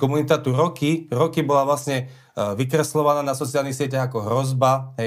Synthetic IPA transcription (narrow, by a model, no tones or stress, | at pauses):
kɔmunit̪at̪uɾɔkiɾɔkibɔlaʋlasɲɛ | ʋikɾɛslɔʋanaːnasɔt͡sialnixsɪɛcaɣakɔɦɾɔzbaɦɛ